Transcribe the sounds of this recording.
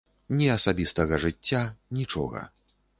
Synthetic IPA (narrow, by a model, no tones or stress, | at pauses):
nʲɛɐsabʲist̪ɐɣɐʐɨt͡sʲːanʲit͡ʂɔ̰ɣɐ̰